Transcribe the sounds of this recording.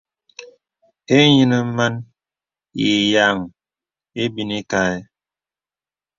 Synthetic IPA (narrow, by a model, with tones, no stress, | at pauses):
e˦ɲi˦nə˦ma˦n | je˨ja˨ŋ | e˦bi˦ne˦ka˦˨e˦